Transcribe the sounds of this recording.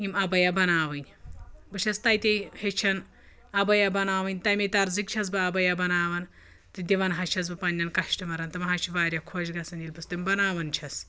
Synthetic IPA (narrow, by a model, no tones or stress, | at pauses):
imɐbɐjabɐnaːʋɨnʲ | bɨt͡ʃʰɐst̪ɐjt̪ʲehet͡ʃʰɐn | ɐbɐjabɐnaːʋɨnʲt̪ɐjmʲet̪ɐɾzik̚t͡ʃʰɐs̬bɨɐbɐjabɐnaːʋɐn | t̪ɨd̪ʲiʋɐnɦɐt͡ʃʰɐs̬bɨpɐnʲːɐnkɐʃʈimɐɾɐnt̪ɨmɐɦɐt͡ʃʰiʋaːɾʲjɐkʰoːd͡ʒɡɐsɐnilʲbɨst̪ɨimbɐnaːʋɐnt͡ʃʰɐs